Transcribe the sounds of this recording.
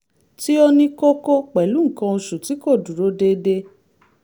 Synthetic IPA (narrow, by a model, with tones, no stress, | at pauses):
ti˦o˧nĩ˧ko˦ko˦k͡pɛ˨lu˨˦ŋ̩˦˨kã˧o˧ʃu˨ti˨˦ko˦˨du˨ɾo˨˦de˧de˧